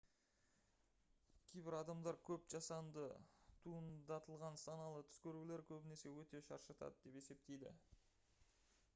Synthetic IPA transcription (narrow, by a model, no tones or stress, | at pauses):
kʲʰe̞jbɪɾɑd̪ɑmd̪ɑɾkʲʰɵpʒ̥ɑsɑnd̪ət̪ʰuənd̪ɑt̪ʰəlˠʁɑnsɑnɑlˠət̪ʰʏ̥skʲʰɵɾuɡʲle̞ɾkʲʰɵbɪne̞se̞wɵt̪e̞ʃɑ̰ɾʃɑt̪ʰɑ̰d̪əd̪e̞pese̞p̚t̪e̞jd̪ɪ̰